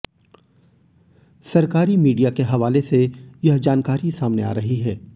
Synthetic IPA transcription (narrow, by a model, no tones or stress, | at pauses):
sɐɾkaːɾimiːɖijakeɦɐʋaːlesejɐɦd͡ʒaːnkaːɾisaːmnḛa̰ːɾɐɦiɦɛː